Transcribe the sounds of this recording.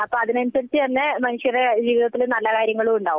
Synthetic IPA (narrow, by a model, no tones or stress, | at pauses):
ɐpːoːɐðinɐnusɐɾit͡ɕːɨt̪ɐnːe̞mɐnuʂjɐred͡ʑiːʋiðɐt̪ːilunɐlːɐkaːɾjɐŋːɐɭuuɳɖaːʋum